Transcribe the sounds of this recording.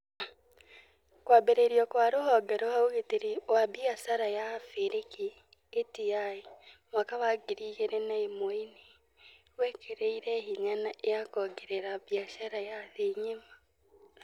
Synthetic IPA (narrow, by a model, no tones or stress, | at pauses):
kwaːbeɾeɾiɔkwaɾohɔːɡɛɾɔhaoɣeteɾiwabjaʃaɾajafeɾeki | etiaimwakaβaɡiɾiːɣeɾɛnaemoine | wɛkʰeɾeiɾɛhiɲanaʔejakɔɡeɾeɾaβjaʃaɾajaðeɲema